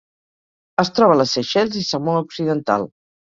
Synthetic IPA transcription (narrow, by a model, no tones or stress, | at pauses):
əst̪ɾɔβələseʃɛlʲzisəmouksiðənt̪a̰lˠ